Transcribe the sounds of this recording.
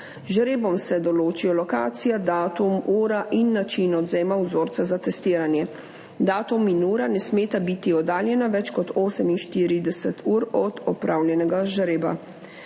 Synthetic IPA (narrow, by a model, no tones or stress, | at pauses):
ʒɾeːbɔmsɛd̪ɔloːt͡ʃijɔlɔka̰ːt̪sijad̪aːt̪umuːɾaʔinːat͡ʃinɔd̪zɛːmawzoːɾt̪sazat̪ɛst̪iːɾanjɛ | d̪aːt̪uminuːɾanɛsmeːt̪abit̪iɔd̪aːljɛnaʋɛt͡ʃkɔt̪ʰoːsɛminʃt̪iːɾid̪ɛsɛt̪ʰuːɾɔd̪ɔpɾaːwljɛnɛɡaʒɾeːba̰